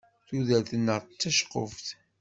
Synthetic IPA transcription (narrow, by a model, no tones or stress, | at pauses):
θuðæθnːəʁt͡sːæʃqo̰fθ